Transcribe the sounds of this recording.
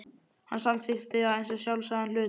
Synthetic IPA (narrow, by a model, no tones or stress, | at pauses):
hansamfɪxθɪaðejnsɔsjawlsaðanlʏː